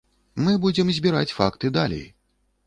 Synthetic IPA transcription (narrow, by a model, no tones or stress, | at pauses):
mɨbud͡zʲɛmzʲbʲiɾat͡sʲfa̰kt̪ɨd̪alʲḛj